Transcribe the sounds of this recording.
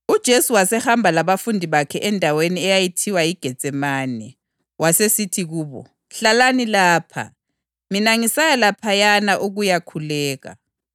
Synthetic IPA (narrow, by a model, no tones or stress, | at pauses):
ud̥ʒ̥ʱesuwasɛhambʱalaβafundʱiβakʰɛʔɛndʱaweniɛjajitʰiwaiɡ̥ʱɛ̥t͡sʼɛmaːnɛ | wasesitʰiɣuːβɔ̰ | ɬalanilaːpʰa̰ | minaŋisajalapʰajanaʔuɣujakʰulɛːɣa̰